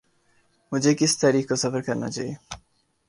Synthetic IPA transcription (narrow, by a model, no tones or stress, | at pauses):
mʊd͡ʒʱekɪsʰt̪aɾiːkkosɐfəɾkɐɾna̰t͡ʃae